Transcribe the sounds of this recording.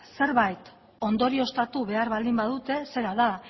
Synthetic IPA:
se̞ɾβajt̪ | o̞nd̪o̞ɾio̞st̪at̪uβe̞aɾβald̪imbaðut̪e̞se̞ɾaða

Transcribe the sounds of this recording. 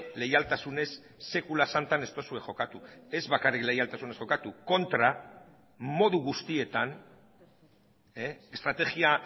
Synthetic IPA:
le̞jalt̪asune̞sː | e̞kulasant̪ane̞st̪o̞sue̞xo̞kat̪ue̞zβakarikle̞jalt̪asune̞sxo̞kat̪uko̞nt̪ɾa | mo̞ðuɣust̪ie̞t̪an | e̞st̪ɾat̪e̞ɣia

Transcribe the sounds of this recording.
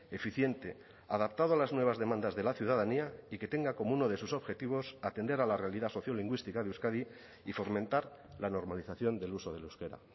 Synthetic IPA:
e̞fiθje̞nt̪e̞ | aðapt̪aðoalaznwe̞β̞azðe̞mãnd̪azðe̞laθjuð̞aðaniaike̞t̪e̞ŋɡako̞mouno̞ð̞e̞suso̞βxe̞t̪iβ̞o̞sat̪e̞nd̪e̞ɾalare̞aliðaso̞θjo̞liŋɡwist̪ikaðeuwskaði | ifo̞ɾmẽnt̪aɾ | lano̞ɾmaliθaθjo̞nd̪e̞luso̞ð̞e̞luwske̞ɾa̰

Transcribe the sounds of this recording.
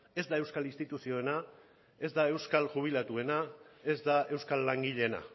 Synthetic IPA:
e̞zd̪ae̞wskalinst̪it̪usio̞e̞na | e̞zd̪ae̞wskalʝuβ̞ilat̪ue̞nae̞zd̪ae̞wskalːaŋɡiʎe̞na̰

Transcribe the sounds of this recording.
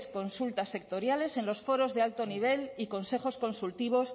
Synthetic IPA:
sko̞nsult̪asek̚t̪o̞ɾjale̞se̞nlo̞sfo̞ɾo̞zðe̞alt̪o̞niβ̞e̞liko̞nse̞χo̞sko̞nsult̪iβ̞o̞s

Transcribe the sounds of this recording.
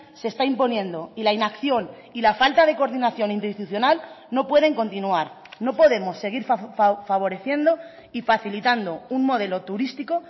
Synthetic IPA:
se̞st̪aimpo̞njẽ̞nd̪o̞ilainakθjo̞n | ilafalt̪aðe̞ko̞ɾðinaθjo̞nĩnt̪eist̪uθjo̞nalno̞pwe̞ð̞e̞ŋko̞nt̪inuaɾ | no̞po̞ðe̞mo̞sːe̞ɣ̞iɾffaβ̞o̞ɾe̞θje̞nd̪o̞ | ifaθilit̪and̪o̞unmo̞ðe̞lo̞t̪uɾist̪iko̞

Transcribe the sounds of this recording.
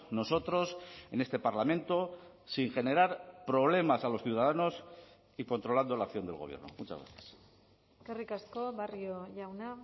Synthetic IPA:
no̞so̞t̪ɾo̞se̞ne̞st̪e̞paɾlamẽ̞nt̪o̞ | siŋxe̞ne̞ɾaɾpɾo̞β̞le̞masalo̞sθjuwð̞aðano̞s | iko̞nt̪ɾo̞land̪o̞lakθjo̞nd̪e̞lɣo̞β̞jḛno̞̰mut͡ʃazɣɾa̰θjḁs | karikasko̞βarioʝawna

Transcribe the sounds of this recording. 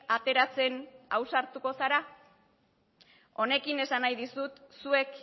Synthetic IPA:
at̪e̞ɾat͡se̞na̰wsaɾt̪uko̞saɾa | o̞ne̞kine̞sanajðisut̪sue̞k

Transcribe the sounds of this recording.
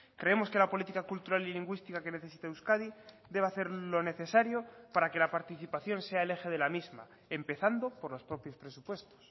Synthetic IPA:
kɾe̞emo̞ske̞lapo̞lit̪ikakult̪uɾaliliŋɡwist̪ikake̞neθe̞s̬it̪aeuwskaði | d̪e̞β̞aθe̞ɾlo̞ne̞θe̞saɾjo̞paɾake̞lapaɾt̪iθipaθjo̞nseaele̞xe̞ð̞e̞lamizma̰ | e̞mpe̞θand̪opo̞ɾlo̞spɾo̞pjo̞spɾe̞supwe̞st̪o̥s

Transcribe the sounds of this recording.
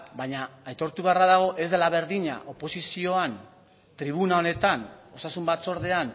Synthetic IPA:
baɲaːjt̪o̞ɾt̪uβe̞araðaɣ̞o̞ʔe̞zðelaβ̞e̞ɾðiɲa̰ʔo̞po̞sisio̞an | t̪ɾiβ̞unao̞ne̞t̪ano̞sasumbat̪t͡so̞ɾðe̞an

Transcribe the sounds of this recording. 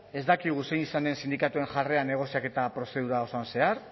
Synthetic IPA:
e̞zd̪akiɣ̞use̞jnisane̞nsind̪ikat̪ue̞nʝare̞ane̞ɣ̞o̞siake̞t̪apɾo̞se̞ð̞uɾaosoanse̞aɾ

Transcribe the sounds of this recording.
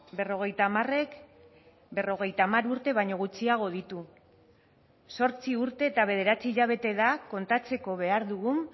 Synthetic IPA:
be̞ro̞ɣ̞e̞jt̪amare̞k | be̞ro̞ɣ̞e̞jt̪aːmaɾuɾt̪e̞βaɲo̞ɣ̞ut͡siaɣ̞o̞ðit̪u | so̞ɾt͡siuɾt̪e̞ːt̪aβ̞e̞ð̞e̞ɾat͡siːʎaβ̞e̞t̪e̞ðako̞nt̪at͡se̞ko̞βe̞aɾðuɣum

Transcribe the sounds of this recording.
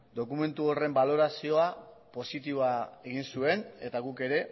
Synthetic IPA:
d̪o̞kume̞nt̪uo̞re̞mbalo̞ɾasio̞a | po̞sit̪iβoae̞ɣ̞insue̞ne̞t̪aɣuke̞ɾe̞

